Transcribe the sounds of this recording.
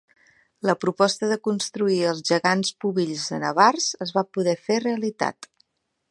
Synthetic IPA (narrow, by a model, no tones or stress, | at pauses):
ləpɾupɔst̪əðəkunst̪ɾuiəlˠzʒəɣanspuβiʎzənəβarzəzβapuðɛfereəlit̪a̰t̪